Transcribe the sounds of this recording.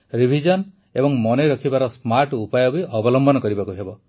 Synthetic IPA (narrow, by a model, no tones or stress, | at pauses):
ɾibʱid͡ʒɔn | ebɔŋmɔneɾɔkʰibaɾɔsmaɾʈupajɔbiʔɔbɔlɔmbɔnɔkɔɾibakuɦebɔ